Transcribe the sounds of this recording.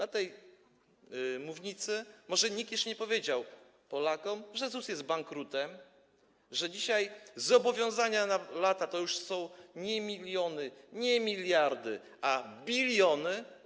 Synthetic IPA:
at̪ɛj | muvɲit̪sɘmɔʐɛɲik̚t̪jɛʂɲɛpɔvʲjed͡ʑaw | pɔlakɔmʐɛzusjɛst̪̚baŋkɾut̪ɛm | ʐɛd͡ʑiɕajzɔbɔvʲjɔ̃w̃zaɲanalat̪at̪ɔjuʂsɔ̃w̃ɲɛmʲilʲjɔnɘɲɛmʲilʲjaɾd̪ɘ | abʲilʲjɔnɘ

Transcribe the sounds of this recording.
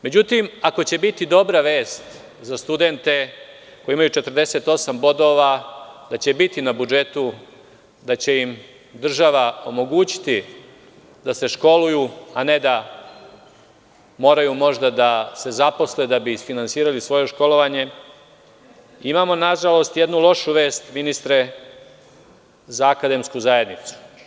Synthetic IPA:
me̞d͡ʑut̪imako̞t͡ɕe̞bit̪id̪o̞bɾaʋe̞ːst̪ | zast̪ud̪e̞nt̪e̞ | ko̞jeimajut͡ʃe̞t̪r̩d̪e̞se̞t̪o̞sambo̞d̪o̞ʋad̪at͡ɕe̞bit̪inabud͡ʒe̞t̪u | d̪at͡ɕe̞im | d̪r̩ʒaʋao̞mo̞ɡuːt͡ɕi̥t̪i | d̪ase̞ʃko̞lujuane̞d̪a | mo̞ːɾajumo̞ʒd̪ad̪ase̞zapo̞sled̪abisfinantsiːɾalisʋo̞jo̞ʃko̞lo̞ʋaɲe̞ | imaːmo̞naʒalo̞st̪jed̪nulˠo̞ʃuʋe̞ːst̪minist̪ɾe̞ | zaːkad̪e̞mskuzaje̞d̪nit̪su̥

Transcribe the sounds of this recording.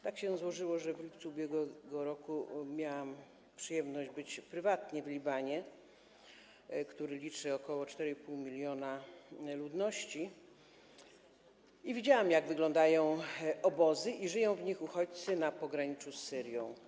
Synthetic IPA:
t̪akɕɛzwɔʐɘwɔʐɛvlʲipt̪suubʲjɛɡwɛɡɔɾɔkumʲjawam | pʂɘjɛmnɔʑd͡ʑbɘt͡ɕpɾɘvat̪ɲɛvlʲibaɲɛ | kt̪uɾɘlʲit͡ʂɘɔkɔwɔt͡ʂt̪ɛɾɛipuwmʲilʲjɔnalud̪nɔɕt͡ɕi | ivʲid͡ʑawamjaɡvɘɡlɔ̃nd̪ajɔ̃w̃ɔbɔzɘʔiʐɘjɔ̃w̃vɲixuxɔt͡ɕt̪sɘnapɔɡɾaɲit͡susːɘɾjɔ̃w̃

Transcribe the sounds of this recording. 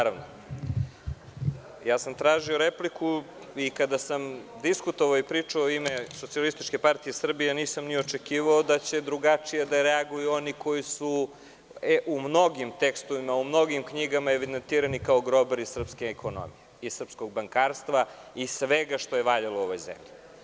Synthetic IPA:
naɾaʋno̰ | jaːsamt̪ɾaːʒio̞ɾepliku | ikad̪asamd̪iskut̪oʋaoipɾiːt͡ʂoimeso̞t̪sialist̪it͡ʃke̞paɾt̪ijesr̩bijeniːsamniot͡ʃekiːʋaod̪at͡ɕe̞d̪ɾuɡat͡ʂijed̪aɾeaɡujuo̞niko̞jisu | eʔumno̞ɡimt̪ekst̪oʋimaumno̞ɡimkɲiɡamaeʋid̪ent̪iːɾanikaoɡɾo̞beɾisr̩pskeːkʰono̰mḭjeisr̩psko̞ɡ̚baŋkaːɾst̪ʋaisʋeɡaʃt̪o̞jeʋaʎalooʋojzḛmʎi

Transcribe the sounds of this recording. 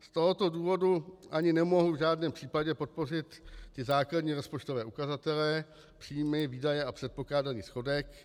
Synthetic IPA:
st̪o̞ɦot̪o̞duːvo̞duʔaɲɪnɛmo̞ɦuvʒaːdnɛːmpr̥iːpaɟɛpo̞t̪̚po̞r̝ɪt̪ːɪzaːkladɲiːɾospot͡ʃt̪o̞vɛːukazat̪ɛlɛ | pr̥iːmɛviːdajɛʔapr̝̥ɛt̪̚po̞klaːdaniːsxo̞dɛk

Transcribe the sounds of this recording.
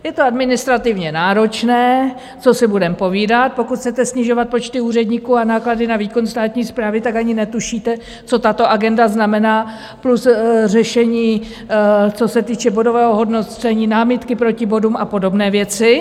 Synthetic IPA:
jɛt̪oadmɪnɪst̪ɾat̪ɪvɲɛnaːɾo̞t͡ʃnɛː | t͡so̞sɪbudɛmpo̞viːdat̪̚po̞kut̪xʰt͡sɛt̪ɛsɲɪʒo̞vat̪̚po̞t͡ʃt̪ɪuːr̝ɛdɲiːkuːanaːkladɪnaviːko̞nst̪aːt̪ɲiːspɾaːvɪt̪akaɲɪnɛt̪uʃiːt̪ɛ | t͡so̞t̪at̪o̞ʔaɡɛndaznamɛnaː | plusrɛʃɛɲiː | t͡so̞sɛt̪iːt͡ʃɛbo̞do̞vɛːɦo̞ɦo̞dnot͡sɛɲiːnaːmɪt̪kɪpɾo̞cɪbo̞dumapo̞do̞bnɛːvjɛt͡sɪ

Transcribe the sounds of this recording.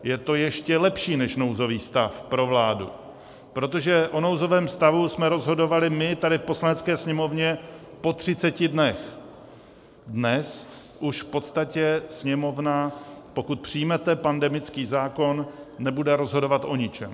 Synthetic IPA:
jɛt̪o̞jɛʃcɛlɛpʃiːnɛʃno̞wzo̞viːst̪afpɾo̞vlaːdṵ | pɾo̞t̪o̞ʒɛʔo̞no̞wzo̞vɛːmst̪avusmɛɾo̞zɦo̞do̞valɪmɪt̪adɪfpo̞slanɛt͡skɛːsɲɛmo̞vɲɛ | po̞t̪r̝̥ɪt͡sɛcɪdnɛx | dnɛs | ʔuʃfpo̞t̪st̪acɛsɲɛmo̞vnapo̞kut̪̚pr̝̥ɪjmɛt̪ɛpandɛmɪt͡skiːzaːko̞nːɛbudɛɾo̞zɦo̞do̞vat̪ʔo̞ɲɪt͡ʃɛm

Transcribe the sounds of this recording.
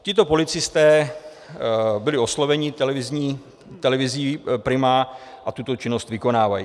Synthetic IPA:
cɪt̪o̞po̞lɪt͡sɪst̪ɛː | bɪlɪo̞slo̞vɛɲɪt̪ɛlɛvɪzɲiː | t̪ɛlɛvɪziːpɾɪmaʔat̪ut̪o̞t͡ʃɪno̞st̪vɪko̞naːvaji

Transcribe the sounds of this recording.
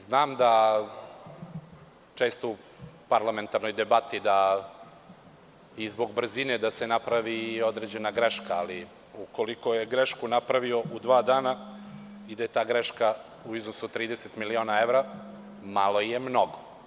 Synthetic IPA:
znaːmd̪a | t͡ʃeːst̪ou | paɾlame̞nt̪aɾnojd̪ebat̪id̪a | izbo̞ɡbr̩zined̪asenapɾaʋiːo̞d̪ɾeːd͡ʑe̞naɡɾeʃkaali | ukoliko̞jeɡɾeʃkunapɾaʋio̞ud̪ʋaːd̪aːna | id̪aje̞t̪aːɡɾeʃka | uiznosuot̪ɾiːd̪eset̪milio̞ːnaeʋɾa | malˠo̞jemno̞ɡo

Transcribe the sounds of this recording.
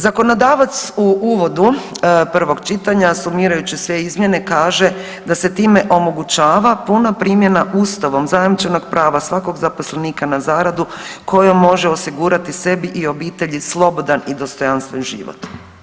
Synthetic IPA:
zako̞no̞d̪aːʋat̪suuːʋo̞d̪upr̩ʋo̞ɡt͡ʃit̪aɲasumiːɾajut͡ɕisʋe̞izmje̞ne̞kaːʒe̞ | d̪ase̞t̪iːme̞ʔo̞mo̞ɡut͡ʃaːʋapunapɾiːmje̞naʔuːst̪aʋo̞mzajemit͡ʃeno̞ɡpɾʔaːʋasʋako̞ɡzapo̞sleniːkanazaːɾad̪uko̞jomːo̞ʒe̞o̞siɡuːɾat̪ise̞biʔio̞biːt̪e̞ʎislˠo̞bo̞d̪anid̪o̞st̪o̞janst̪ʋenʒḭʋo̰t̪

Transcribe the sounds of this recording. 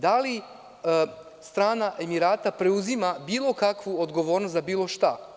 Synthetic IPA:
d̪ali | st̪ɾaːnaʔe̞miɾaːt̪apɾe̞uzimabiːlˠo̞kakʋuod̪ɡo̞ʋo̞ːɾnost̪zabiːlˠo̞ʃt̪a

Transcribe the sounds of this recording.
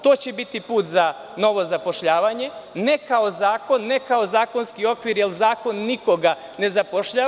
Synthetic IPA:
t̪o̞ːt͡ɕebit̪ipuːt̪za | no̞ʋo̞zapo̞ʃʎaːʋaɲe̞nekao̞zaːko̞nːekao̞zaːko̞nskio̞kʋiɾjelzaːko̞nːiko̞ɡa | ne̞zapoʃʎa

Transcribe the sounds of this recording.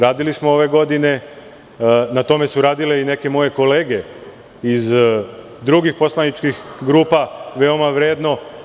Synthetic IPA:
ɾaːd̪ilismooʋe̞ɡo̞d̪ine̞ | nat̪o̞me̞suɾaːd̪ile̞ine̞ke̞mo̞je̞ko̞le̞ːɡe̞ | iz | d̪ɾuɡixpo̞slˠanit͡ʃkixɡɾuːpaʋe̞o̞maʋɾe̞ːd̪no̞

